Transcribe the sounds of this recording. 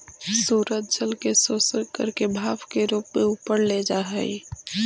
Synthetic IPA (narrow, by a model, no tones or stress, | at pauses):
suːɾət̪̚d͡ʒəlkesoːsəkə̰ɾkebʱaːʋkeɾuːpmẽʊpəɾled͡ʒaːɦɛi